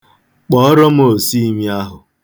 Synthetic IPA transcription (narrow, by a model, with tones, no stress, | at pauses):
k͡pɔ˨ɔ˦ɾɔ˦m̩˦o˨si˦i˦mi˦a˦ɦʊ˨